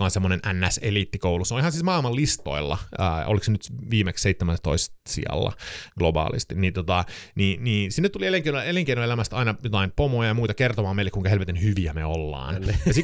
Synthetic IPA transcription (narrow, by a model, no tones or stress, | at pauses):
ɑːnsemːonenʔænːæselit̪ːikouluseolihɑnsiːsmɑːilmɑllist̪o̰ilːɑ̰ə̰ːo̰liksenyt̪ʋiːmeksseit̪ːemæst̪oistsḭɑ̰lːɑ̰ɡ̥lobɑ̰ːlḭst̪inniːt̪ot̪ɑniːniːnsinːet̪ːulieleŋkeineleŋkeinoelæmæst̪ɑinɑjot̪ɑimpomojɑjɑmuit̪ɑkert̪omɑːmeilekuiŋkɑhelʋet̪enhyʋiæmeolːɑ̰ːnjɑsi